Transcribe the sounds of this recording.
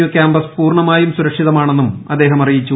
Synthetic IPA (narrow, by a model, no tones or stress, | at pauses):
ukʲaːmbɐspuːrɳɐmaːjumsuɾɐkʂiðɐmaːɳe̞nːumɐd̪ːe̞ːɦɐmɐrijit͡ɕːu